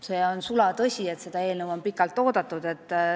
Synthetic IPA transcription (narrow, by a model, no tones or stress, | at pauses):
se̞ːonsulɑt̪ɤsʲie̞t̪se̞d̪̥ɑe̞ːlnəvo̞mpikːˑɑlt̪ːˑo̞ːd̪̥ɑt̪ːˑud̪̥e̞t̪ːˑ